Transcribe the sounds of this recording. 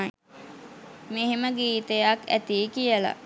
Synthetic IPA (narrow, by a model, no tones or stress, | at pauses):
meɦeməɡiːt̪əjakæ̰t̪iːkijəla̰